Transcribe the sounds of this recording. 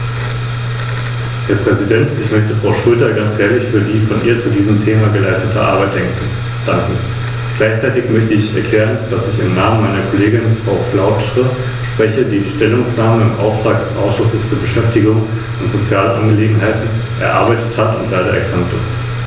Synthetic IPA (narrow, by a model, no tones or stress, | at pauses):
heːɐpʁ̥ɛzidɛntɪçmœçtəfʁ̥aʊʃʁøːtɐɡant͡sheːɐlɪçfyːɐdiːfɔnʔiːɐt͡sudiːzəm̩tʰeːmaɡəlaɪstətʰəʔa̰ɐbaɪt̚d̥ɛŋk | d̥aŋkŋ̩ | ɡ̥laɪçt͡saɪtɪçmœçtəɪçɛ̰ɐkʰl̥ɛːʁ̞ənd̥asɪçɪmnaːmənmaɪnɐkʰoleːɡɪnfʁ̥aʊflaʊtʁə | ʃpʁ̥ɛçədiːiʃtɛlʊŋsnaːməɪmʔa̰ʊftʁ̥aːk̚d̥ɛsʔa̰ʊsʃʊsəsfyːɐbəʃɛftɪɡʊŋ | ʊntz̥ot͡sjaːləʔanɡəleːɡŋ̩ɦaɪtn̩ | ʔɛ̰ɐʔa̰ɐbaɪtəthatʊntlaɪɾɐʔɛ̰ɐkʰʁ̥aŋktɪ̰st